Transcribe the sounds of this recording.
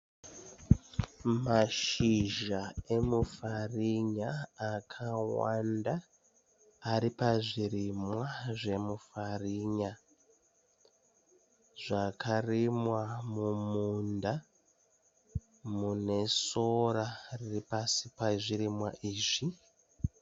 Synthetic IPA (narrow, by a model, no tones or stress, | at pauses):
maʃiʒae̞mufariɲaːkʰawa̰ndaː | ɾipaʐiɾimwaʐe̞mufariɲa | ʐ̥akʰarimwamumunda | mune̞soɾariripasipaʐiɾimwa̰ʔiːʐi